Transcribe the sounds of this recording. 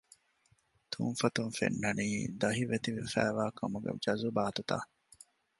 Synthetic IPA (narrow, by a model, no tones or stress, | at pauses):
t̪ʰṵnfɐt̪unfḛnːɐniːd̪ɐɦiʋet̪iʋifæ̰ːʋaːkʰɐmuɡḛd͡ʒɐzubaːt̪ut̪a̰ː